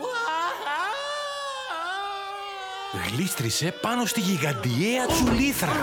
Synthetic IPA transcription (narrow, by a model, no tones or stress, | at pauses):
ɣlist̪ɾise̞pɐno̞st̪iʝiɣɐnd̪ieɐt͡suliθɾɐ